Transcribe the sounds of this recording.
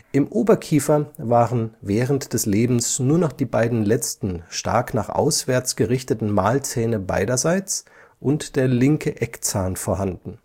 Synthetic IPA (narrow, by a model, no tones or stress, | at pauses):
ʔɪmʔoːbɐkʰiːfɐvaːʁənvɛːʁəntd̥ɛsleːbm̩snuːɐnɔχd̥iːbaɪdn̩lɛt͡stn̩ʃta̰ɐknaːχʔa̰ʊsv̥ɛɐt͡sɡ̥əʁɪçtətn̩maːlt͡sɛːnəba̰ɪɾɐzaɪt͡s | ʔʊntd̥eːɐlɪŋkʰəʔɛkt͡saːnfoːɐɦandn̩